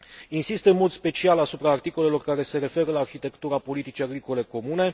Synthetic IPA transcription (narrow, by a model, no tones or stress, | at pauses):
insist̪əɨnmo̞d̪spe̞t͡ʃialasupɾaːrt̪iko̞le̞lo̞rkaɾe̞se̞ɾe̞fe̞ɾəlaːrçit̪e̞kt̪uɾapo̞lit̪it͡ʃiaɡɾiko̞le̞ko̞mune̞